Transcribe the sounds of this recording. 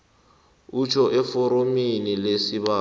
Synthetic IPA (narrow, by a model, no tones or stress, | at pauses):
ut͡ʃʰʼɔʔɛfɔɾominilesiba